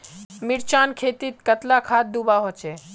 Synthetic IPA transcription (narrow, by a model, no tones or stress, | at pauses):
miɾt͡ʃankʰet̪it̪̚kət̪lakʰat̪̚d̪ubaɦot͡ʃe